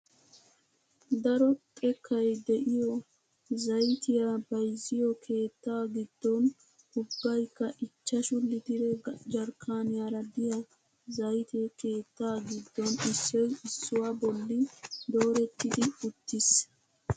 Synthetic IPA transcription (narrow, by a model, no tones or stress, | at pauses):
d̪ɐɾɔkʼɛkʰːɐjd̪ɛʔɪjɔ | zɐjt̪ɪjabɐjzɪjɔkʰe̞ːt̪ːaːɡɪd̪ːɔn | hʊbːɐjkːɐʔɪt͡ʃːɐʃʊlːɪt̪ɪɾɛd͡ʒɐɾkʰaːnɪjaːɾɐd̪ɪjɐ | zɐjt̪eke̞ːt̪ːaːɡɪd̪ːɔnɪsːɛjɪsːʊwabɔlːɪd̪o̞ːɾɛt̪ːɪd̪ɪʊt̪ːɪs